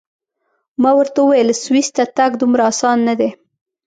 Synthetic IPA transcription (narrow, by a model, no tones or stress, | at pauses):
mɑwəɾt̪auwajəlswist̪at̪aɡd̪umɾaːsɑnːad̪e